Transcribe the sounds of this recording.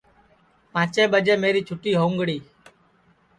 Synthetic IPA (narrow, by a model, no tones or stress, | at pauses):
pãːt͡ʃeːbəd͡ʒeːmeːɾiːt͡ʃʰʊʈiːɦoːŋɡɽiː